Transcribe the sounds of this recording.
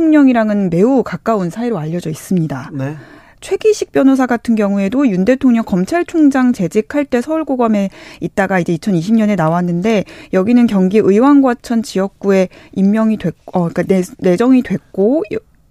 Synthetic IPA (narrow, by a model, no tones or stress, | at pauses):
oŋɲʌŋiɾaŋɯnme̞ukak͈aunsʰaiɾoaʎːʌd͡ʑʌis͈ɯmɲida | t͡ɕʰwe̞ɡiɕʰik̚p͈jʌnos̬ʰaɡatʰɯnɡjʌŋue̞dojunde̞tʰoŋɲʌŋkʌmt͡ɕʰaɭt͡ɕʰoŋd͡ʑaŋt͡ɕe̞d͡ʑikʰaɭt͈e̞sʰʌuɭɡoɡʌme̞it̚t͈aɡaid͡ʑe̞it͡ɕʰʌniɕʰimɲʌne̞nawanːɯnde̞jʌɡinɯnkjʌŋɡiʔɯiwanɡwat͡ɕʰʌnt͡ɕijʌk̚k͈ue̞imːjʌŋidwe̞ʌik͈anne̞d͡ʑʌŋidwe̞k̚k͈oj